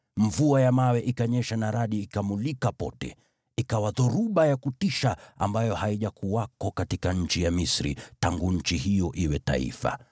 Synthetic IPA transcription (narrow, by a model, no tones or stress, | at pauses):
ɱ̩vuajamawɛʔikaɲɛʃanaɾaɗiːkamulikapɔ̰tɛ̰ | ikawaðuɾuɓajakutiʃaa̰mbajɔhaiʄakuwakɔkatikaɲ̩t͡ʃijamisɾḭtaŋɡuɲ̩t͡ʃihijɔʔiwɛta̰ḭfa̰